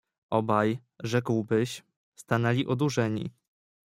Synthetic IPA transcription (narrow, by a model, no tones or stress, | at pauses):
ɔbaj | ʐɛkwbɘɕ | st̪anɛlʲiʔɔd̪uʐɛɲḭ